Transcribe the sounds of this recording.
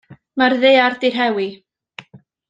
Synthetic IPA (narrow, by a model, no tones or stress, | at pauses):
marðejardɪr̥ɦɛwi